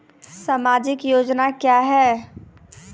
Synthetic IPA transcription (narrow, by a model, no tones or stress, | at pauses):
samaːd͡ʒɪkjoːd͡ʒnakjaːɦɛː